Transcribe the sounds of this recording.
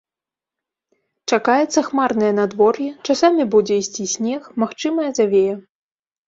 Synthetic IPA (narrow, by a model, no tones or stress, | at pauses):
t͡ʂakajɛt̪sːɐxmarnɐjɐnad̪vɔrjɛt͡ʂasamʲibud͡zʲɛisʲt͡sʲisʲnʲɛxmaxt͡ʂɨmɐjɐzavʲejɛ